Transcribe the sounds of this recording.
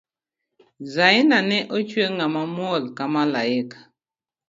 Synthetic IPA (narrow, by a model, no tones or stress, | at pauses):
zainanɛʔɔt͡ʃweŋamamwɔlkamalaɛkḁ